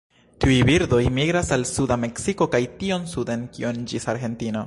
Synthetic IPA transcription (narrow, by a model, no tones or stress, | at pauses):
tiujbiɾdo̞jmiɡɾasalsudame̞ksiko̞kajtio̞nsudenkionid͡ʒisaɾɡe̞ntina